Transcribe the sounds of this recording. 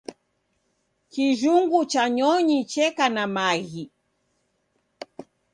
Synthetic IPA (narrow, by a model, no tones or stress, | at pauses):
kiʒuŋɡut͡ʃaɲɔɲit͡ʃɛkanamaɣi